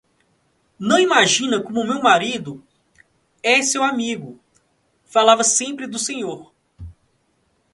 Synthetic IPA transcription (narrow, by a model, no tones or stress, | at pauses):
nɐ̃w̃imaʒĩnɐkõmʊmewmaɾid̪ʊ | ɛsewamiɡʊ | falavɐsẽmpɾɪd̪ʊsẽɲoɾ